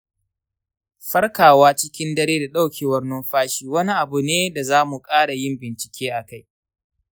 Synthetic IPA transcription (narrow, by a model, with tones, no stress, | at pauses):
ɸɐ˦rkaː˨waː˦t͡ʃɪ˦kʲɪ˦ndɐ˦ɾeː˦da˨ɗa˦wkʲʰeː˨wɐ˦rno˦mɸaː˦ʃiː˦wɐ˦ni˦ʔa˨bu˨neː˦da˨zaː˦mu˨kʼaː˦ɽa˨jɪ˦mbɪ˨nt͡ʃɪ̥˨kʲʰeː˦ʔa˨ka˦˨j